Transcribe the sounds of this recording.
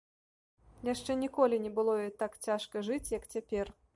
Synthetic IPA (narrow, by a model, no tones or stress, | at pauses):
jaʂt͡ʂɛnʲikɔlʲinʲɛbɨlˠɔjɔt̪akt͡sʲaʂkɐʐɨt͡sʲjɐkt͡sʲapʲɛr